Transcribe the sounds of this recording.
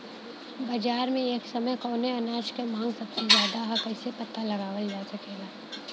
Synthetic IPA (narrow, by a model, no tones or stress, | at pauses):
bɐd͡ʒaːɾmẽeːksɐməjkɔːneɐnaːʃkemãːŋɡsɐbsezjaːd̪aɦakɛɪsepɐt̪ːalɐɡaːʋəld͡ʒaːsɐkeːɡaː